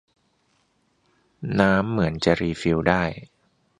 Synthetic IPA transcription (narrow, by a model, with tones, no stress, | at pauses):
naː˦˥mːɯ˩˦ənt͡ɕa˨˩ʔɾiː˧fi˧wdaː˥˩j